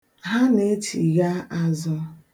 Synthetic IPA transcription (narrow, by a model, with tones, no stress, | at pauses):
ɦa˦ne˦t͡ʃḭ˨ɣa˦a˦zɔ˦